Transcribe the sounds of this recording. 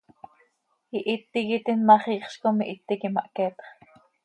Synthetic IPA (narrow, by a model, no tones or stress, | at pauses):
iʔit̪ːiɣit̪inmɑχiːχʃkomiʔit̪ːikimɑ̰ʔkɛːt̪χ